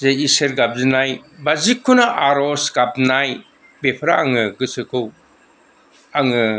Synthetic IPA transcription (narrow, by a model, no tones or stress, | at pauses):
zeiseɾɡab̚zinajbazikʰːunɐʔaɾɔskap̚naj | bepʰɾaːŋɯɡɯsɯkʰɯw | aŋɯ